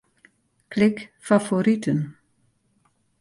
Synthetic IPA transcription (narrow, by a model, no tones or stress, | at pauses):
kʰlɪkfafoɾit̪ʰən